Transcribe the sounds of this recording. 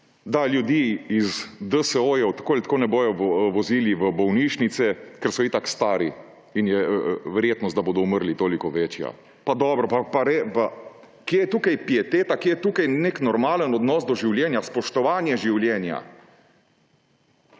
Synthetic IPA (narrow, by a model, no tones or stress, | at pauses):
d̪aljud̪iːizd̪əsəoːjɛwt̪ḁkoːilʲt̪koːnɛboːjɔʋʋɔziːliʋəbɔwniːʃnit̪sɛkɛɾsɔit̪akst̪aːɾi | injɛʋɛɾjeːt̪nɔsd̪aboːd̪ɔuməɾlit̪oːlikɔʋeːt͡ʃja̰ | pad̪ɔːbɾɔpapaɾepa | kjejɛt̪uːkajpjɛt̪eːt̪akjejɛt̪uːkajneknɔɾmaːlənɔd̪nɔːsd̪ɔʒiwljɛnjaspɔʃt̪ɔʋaːnjɛʒiwljɛːnja̰